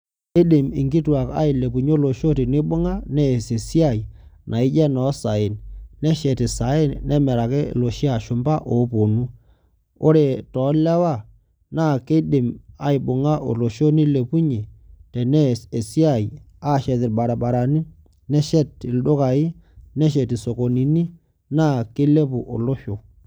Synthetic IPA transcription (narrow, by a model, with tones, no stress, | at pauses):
e˦dɪ˨mɪ̰˨ŋɡɪ˦twa˨ka̰˦ɪ˨le˨pu˨ɲ˦o˦lo˨ʃo˦tɪ˨nɪ˦bʊ˦ŋa˦nɛ˦˨se˨si˦a˦˨i˨nʔa˨ɪ˦d͡ʒɛ˦nɔ˨˦sa˨ɪ˨nnɛ˦ʃɛ˨tɪ˨sa˨ɪ˦nnɛ˦mɛ˨ɾa˨ke˦lo˨ʃi˦a˨ʃʊ˨mba˦ʔo˨˦po˨nu˦ | o˦ɾe˨tɔ˨˦lɛ˦wa˦˨ | na˦˨ke˦ɗɪ˨ma˨ɪ˨bʊ˨ŋa˦ʔo̰˨lo˨ʃo˦ni˦le˨pu˦ɲe˨tɛ˨nɛ˦e˨si˦a˦˨i˨ | a˦˨ʃɛ˨t̬ɪ˨ɾɓa˨ɾa˨ba˨ɾa˨ni˦ | nɛ˦ʃɛ˦tɪ˨lɗʊ˦ka˨ɪ˦nɛ˦ʃ̬ɛ˨ti˨so˨ko˨ni˨ni˦ | na˦˨ke˦le˦pu˨ʔo̰˨lo˦ʃo˨